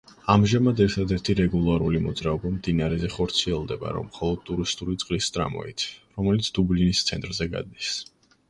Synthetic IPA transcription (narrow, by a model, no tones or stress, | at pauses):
amʒamad̪ɛɾt̪ʰad̪ɛɾt̪ʰiɾɛɡulˠaɾulimɔd̪zɾaɔbamd̪inaɾɛzɛχɔɾt̪sʰiɛlˠd̪ɛba̰ɾɔ̰mχɔlˠɔd̪̥̚t̪ʼuɾist̪ʼulit̪sʼqʼlist̪ʼɾa̰mɔ̰it̪ʰɾɔmɛlit̪sʰd̪̥ublinist̪sʰɛnt̪ʼɾzɛɡa̰d̪̚nis